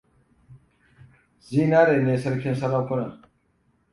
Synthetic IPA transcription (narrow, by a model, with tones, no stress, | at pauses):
zi˦naː˦ɾeː˨ne˨sɐ˦ɾkʰe˦nsɐ˦laː˦mkʰo˦na˨